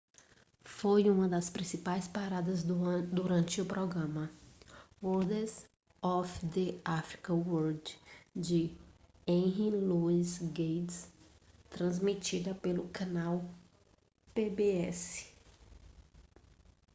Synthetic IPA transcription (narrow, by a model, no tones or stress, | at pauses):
fojũmɐd̪ɐspɾĩsipajspaɾad̪ɐzd̪uɾɐ̃t͡ʃɪʊpɾɔɡɾɐ̃mɐ | oɾd̪ez | ɔfd̪ɪafɾi̥kɐwoɾd͡ʒd͡ʒɪ | ẽɦiluizɡejts | t̪ɾɐ̃zmit͡ʃid̪ɐpelʊkɐ̃naw | pebeɛsɪ̥